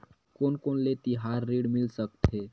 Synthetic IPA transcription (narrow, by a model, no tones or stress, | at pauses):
konkonlet̪iɦaɾːiɽmilsəkt̪ʰe